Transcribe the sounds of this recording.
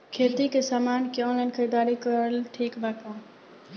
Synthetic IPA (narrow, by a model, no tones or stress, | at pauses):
kʰeːt̪ikesaːmaːnkiɔ̃ːnlaːɪnkəɾid̪aːɾikəɾlʈʰiːkbaːk̪ãː